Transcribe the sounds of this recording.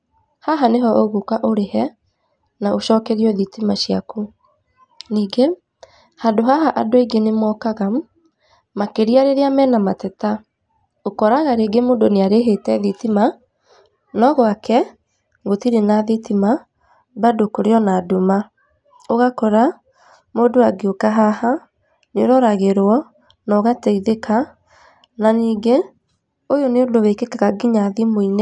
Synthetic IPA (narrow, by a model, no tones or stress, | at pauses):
haɦaneɦɔʔoɣokaʔoɾehɛ | naʔoʃɔːkɛɾiɔðitimaɕjaku | niːɡe | handoɦaɦaʔadoiŋɡenemwɔkaɣa | makeɾiaɾeɾeamɛnamatɛta | okɔɾaɣaɾeɡemodoneaɾeɦetɛðitima | nɔɣɔakɛ | ɣotiɾenaðitima | badokoɾeɔnaːduma | oɣakɔɾa | moːdoaɡeokaɦaha | neoɾɔɾaɣeɾwɔ | nɔɣatɛiðeka | naniːɡe | ojoneodowɛkekaɣaɡiɲaðimoinɛ